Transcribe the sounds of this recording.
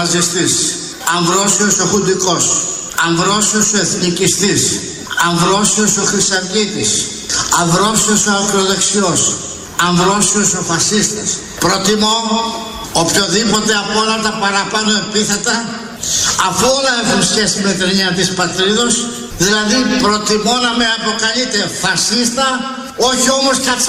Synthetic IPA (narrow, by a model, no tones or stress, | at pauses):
ɐzist̪is | ɐɱvɾo̞sio̞so̞xund̪iko̞s | ɐɱvɾosio̞soe̞θnicist̪is | ɐɱvɾo̞sio̞so̞xɾisɐɾtit̪is | ɐɱvɾo̞siosoɐkɾoðe̞ksio̞s | ɐɱvɾo̞sioso̞fɐsist̪ɐs | pɾo̞t̪imo | opço̞ðipo̞t̪e̞ɐpolɐt̪ɐpɐɾɐpɐno̞epiθe̞t̪ɐ | ɐfoolɐexunsçe̞sime̞t̪ɾeɲɐt̪ispɐt̪ɾiðo̞s | ðilɐðipɾo̞t̪imo̞nɐmeɐpo̞kɐlit̪e̞fɐsist̪ɐ | o̞çio̞moscɐ